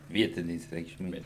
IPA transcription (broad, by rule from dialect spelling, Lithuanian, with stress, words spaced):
ˈʋʲiɛtʲɪnʲeːs rʲɛɪkʃʲˈmʲeːs